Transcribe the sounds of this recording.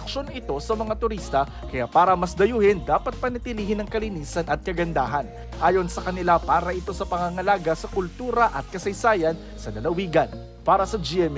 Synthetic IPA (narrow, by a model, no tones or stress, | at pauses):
k̚ʃo̞nɪt̪o̞sɐmɐŋat̪ʊɾist̪ɐ | kɐja̰paːɾɐmɐsd̪ɐjuːhɪnd̪aːpɐt̪̚pɐnɐt̪ɪliːhɪnɐŋkɐliniːsɐnʔɐt̪̚kɐɡɐnd̪aːɦɐn | ʔaːjo̞nsɐkɐnɪlapaːɾɐʔɪt̪o̞sɐpɐŋaŋɐlaːɡɐsɐkʊlt̪uːɾɐʔɐt̪̚kɐsɐjsaːjɐn | sɐlɐlɐwiːɡɐn | paːɾɐsɐd͡ʒɪɛm